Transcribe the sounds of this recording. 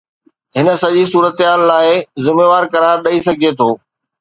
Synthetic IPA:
ɦɪnə̆sɐʄisuːɾət̪ɪɦaːlːaːɪzɪmeːʋaːɾkɐɾaːɾɗɐisɐɡʱiet̪ʰoː

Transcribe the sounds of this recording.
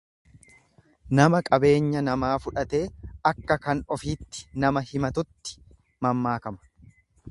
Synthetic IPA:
nɐmɐkʼɐbe̞ːɲːɐnɐmaːfʊᶑɐt̪e̞ːɐkːɐkɐnɔfiːt̪ːɪ̥nɐmɐhɪmɐt̪ʊt̪ːɪ̥ | mɐmːaːkɐmɐ̥

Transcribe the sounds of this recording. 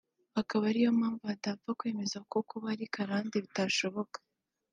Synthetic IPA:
hakaβaɾijo̞maːɱvuatavakwe̞ːme̞zakokuβaɾikaɾaːndiβitaʃo̞βo̞kḁ

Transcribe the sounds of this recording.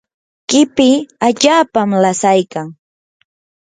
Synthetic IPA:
kɪpɪaʎaːpamlasajkaŋ

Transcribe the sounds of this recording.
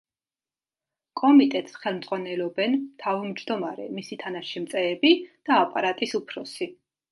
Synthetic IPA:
kʼɔmit̪ʼɛt̪sχɛlˠmd̪zʼʁwanɛlɔbɛnt̪ʰavumd͡ʒd̪ɔmaɾɛ̰misit̪ʰanaʃimt̪sʼɛːbid̪̥aːpʼaɾat̪ʼisupʰɾɔsi

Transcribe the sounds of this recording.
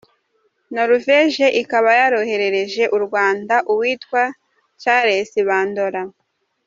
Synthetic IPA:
noɾuveʒe̞ʔikaβajaɾo̞he̞ɾe̞ɾe̞ʒe̞ʔuɾɡwaːndaʔuwiːtwa | caɾesiβaːndo̞ɾa

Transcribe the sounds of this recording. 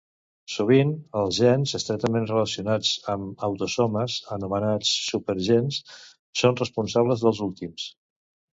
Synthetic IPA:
suβ̞inəlˠzʒɛnzəst̪ɾɛt̪əmenrələsiunat͡səməwt̪usɔməzənumənat͡sːupəɾʒens | sonrəspunsaβləzðəlˠzulˠt̪ims

